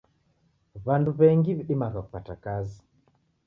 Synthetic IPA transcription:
βanduβɛŋɡiβiɗimakaku̥patakazi

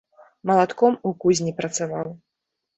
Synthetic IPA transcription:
mɐlˠat̪kɔmukuzʲnʲipɾɐt̪savaw

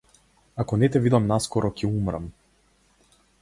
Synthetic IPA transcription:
akɔnɛt̪ɛvid̪amnaskɔɾɔcʰɛumɾa̰m

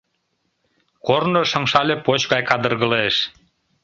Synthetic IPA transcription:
kornoʃɑŋʃɑlʲepot͡ɕɣɑjkɑd̪ə̆rɣə̆leʃ

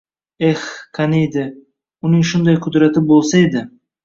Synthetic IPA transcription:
ehqʰanejd̪ɪ | ʊnɪŋʃʊnd̪ajqʰʊd̪ɾat̪ʰɪbolˠsaed̪ɪ

